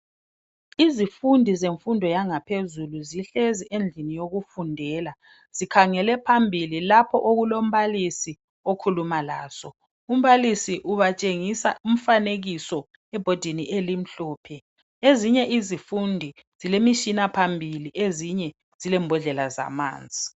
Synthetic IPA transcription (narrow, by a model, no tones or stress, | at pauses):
izifundʱizeɱfundʱɔjaŋapʰezuluziɬeziʔend͡ɮʱinijoɣufundʱɛːla | z̥ikʰaŋɛlɛpʰambʱililapʰɔ̰ʔoɣulom̩βalisi | okʰulumala̰ːsɔ | um̩βalisiʔuβat͡ʃʼeŋisaʔum̩faneɣisɔ | ɛb̥ʱod̥ʱiniʔelim̩ɬɔːpʰɛ | eziɲɛʔizifundʱi | z̥ilemiʃinapʰambʱiliʔeziɲɛ | z̥ilɛmbʱɔɮɛlaza̰ma̰ːnd͡zʱi